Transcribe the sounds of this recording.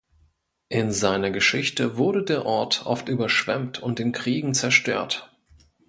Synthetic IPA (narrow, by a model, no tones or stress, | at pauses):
ʔɪnzaɪnɐɡəʃɪçtəvʊɐɾədeːɐʔɔɐtʔɔ̰ftʔyːbɐʃv̥ɛmtʰʊnt̚d̥eːnkʁ̥iːɡŋ̩t͡sɛɐʃtø̰ːɐt